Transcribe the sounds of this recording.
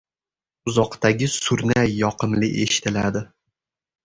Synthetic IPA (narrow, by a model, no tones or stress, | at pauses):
ʊzɒqt̪aɡʲɪsʊɾnajːɒqɨmlɪʔe̞̰ʃɪ̥t̪ʰɪlad̪ɪ